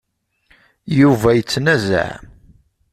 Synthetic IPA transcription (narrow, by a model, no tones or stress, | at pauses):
juvæjət͡sːnæzæ̰ʕ